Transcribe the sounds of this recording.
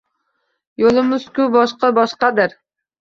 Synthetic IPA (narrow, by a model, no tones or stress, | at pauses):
jolˠɨmʊz̥kʲʊbɑʃqɑbɑʃqɑd̪æɾ